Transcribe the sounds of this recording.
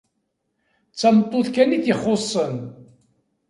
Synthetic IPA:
t͡sːæmət̪ˤːoθkæniθjiχːosˤːən

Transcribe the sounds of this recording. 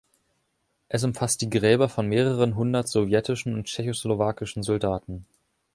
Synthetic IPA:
ʔɛs̬ʊmfast̚d̥iːɡʁɛːbɐfɔnmeːʁəʁ̞ənɦʊndɐtz̥ovjɛtɪʃn̩ʊntt͡ʃɛçoslovaːkɪʃn̩zɔldaːtn̩

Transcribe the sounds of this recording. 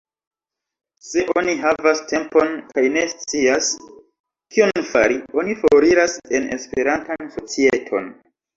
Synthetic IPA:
se̞ʔo̞niɦavaste̞mpo̞nkajne̞st͡sias | kʰio̞nfaɾio̞nifoɾiɾase̞ne̞̰spe̞ɾantanso̞t͡sietʰo̞̰n

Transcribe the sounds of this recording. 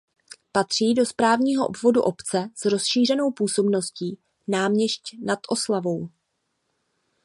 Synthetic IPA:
pat̪r̝̥iːdo̞spɾaːvɲiːɦoʔo̰bvo̞dṵʔo̞pt͡sɛsɾo̞sʃiːrɛno̞wpuːso̞bno̞sciː | naːmɲɛscnat̪ʔo̞slavo̞w

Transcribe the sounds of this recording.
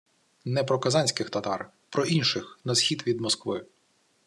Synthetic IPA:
nɛpɾɔkɐzɑnʲsʲkɪxt̪ɐt̪ɑ̰r | pɾɔʔinʃɪxnɐsxʲid̪ʋʲid̪mɔskʋɪ

